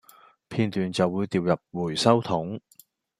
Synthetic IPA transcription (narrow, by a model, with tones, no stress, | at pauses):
pʰiː˧nt̪yː˨nt͡sɐ˨wːuː˨˧jt̪iː˨wjɐ˨p̚wuː˨˩jsɐ˥wt̪ʰʊ˨˥ŋ